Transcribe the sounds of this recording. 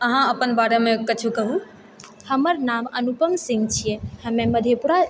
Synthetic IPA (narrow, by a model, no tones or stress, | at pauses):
əɦãəpənbaɽemekət͡ʃʰukəɦu | həməɾnamənupəmsĩŋɡt͡ʃʰijẽhəmeməd̪ʱjepuɾa